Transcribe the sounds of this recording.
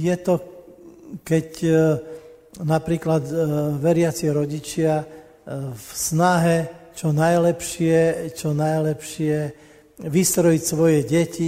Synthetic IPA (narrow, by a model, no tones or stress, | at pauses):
jɛt̪ɔ | kɛc | napɾiːklad̪ʋɛɾɪat͡siɾɔɟit͡ʃɪa | fsnaɦɛt͡ʃɔnajlɛpʃɪɛt͡ʃɔnajlɛpʃɪɛ | ʋist̪ɾɔjicsʋɔjɛɟɛci